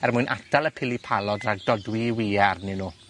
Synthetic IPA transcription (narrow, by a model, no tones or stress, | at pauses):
ɛrmʊjnʔa̰tʰalˠəpʰɪlipʰalˠɔdaɡ̚dɔdwiwiːarnɪnuː